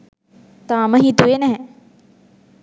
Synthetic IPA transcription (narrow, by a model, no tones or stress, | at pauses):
t̪aːmɐɦit̪uenɐɦɛ̃